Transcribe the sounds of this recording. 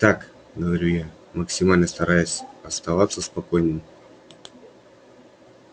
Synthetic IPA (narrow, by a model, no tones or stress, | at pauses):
t̪ak | ɡəvɐɾʲuja | məksʲɪmalʲnəst̪ɐɾajʊsʲɐst̪ɐvat̪sːəspɐko̞jnɨm